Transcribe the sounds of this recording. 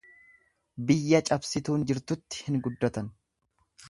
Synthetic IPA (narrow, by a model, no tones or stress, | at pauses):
bɪjːɐt͡ʃʼɐbsɪt̪uːnd͡ʒɪɾt̪ʊt̪ːɪ̥hɪnɡʊd̪ːɔt̪ɐn